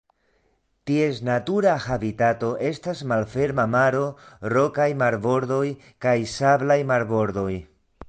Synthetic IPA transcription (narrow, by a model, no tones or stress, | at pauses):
tie̞snatuɾahabitato̞ʔe̞stasmalfe̞ɾmamaɾo̞ro̞kajmaɾbo̞ɾdo̞j | kajsablajmaɾbo̞ɾd̪o̞j